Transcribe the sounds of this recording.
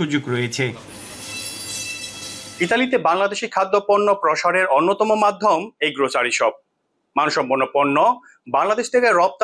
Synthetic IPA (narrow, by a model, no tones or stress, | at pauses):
ud͡ʑoɡɾojet͡ɕʰe | it̪alit̪ebaŋlad̪eʃikʰad̪ːoponːopɾoʃaɾeɾonːot̪ɔmomad̪ʱːomejɡɾot͡ɕaɾiʃɔb̚ | manuʃɔmbonːoponːo | baŋlad̪eʃt̪ʰekeɾɔp̚t̪